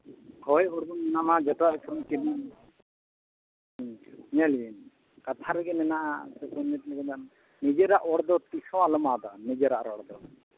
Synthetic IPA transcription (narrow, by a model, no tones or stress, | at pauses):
hɔjɔɽbɔnɛnamad͡ʒɔtakʰɔmkini | ɲalin | kat̪ʰaɾɛɡɛnɛnaʔa̰sɛsɛnɛt̪̚lɛɡɛd̪an | nid͡ʒɛɾaʔɔɽd̪ɔt̪isɔ̃walɔmad̪anid͡ʒɛɾaʔɾɔɽd̪ɔ